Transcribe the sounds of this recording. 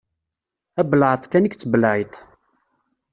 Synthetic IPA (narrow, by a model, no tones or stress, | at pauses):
æblʕət̪ˤkænikt͡sːəbəlʕit̪ˤ